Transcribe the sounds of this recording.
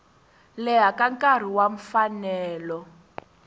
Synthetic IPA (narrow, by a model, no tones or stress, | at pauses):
lɛɦakaŋkar̤iwaɱ̩fanɛːlɔ